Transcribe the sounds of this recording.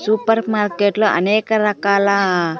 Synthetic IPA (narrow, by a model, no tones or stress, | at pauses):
supəɾmaɾkeʈlɔʔə̰nekɾakala